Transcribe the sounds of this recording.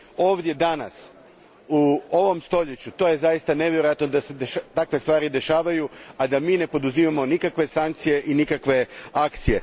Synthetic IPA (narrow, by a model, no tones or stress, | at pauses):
o̞ːʋd̪ʲje̞d̪ana̰s | uoʋo̞mst̪o̞ʎet͡ɕut̪o̞ːje̞zajist̪ane̞ʋʲjeɾojat̪no̞d̪ase̞d̪eʃat̪akʋe̞st̪ʋaːɾid̪e̞ʃaːʋajuad̪amiːne̞po̞d̪uzimamo̞nikakʋe̞saŋk̚t̪sije̞ʔinikakʋe̞akt̪sije̞